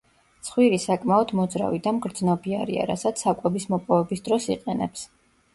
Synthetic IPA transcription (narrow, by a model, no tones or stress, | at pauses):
t̪sʰχwiɾisakʼmaɔd̪mɔd̪zɾa̰vid̪amɡɾd̪znɔbia̰ɾḭa̰ɾasat̪sʰakʼɛbismɔpʼɔvɛbisd̪ɾɔsiqʼɛnɛ̰ps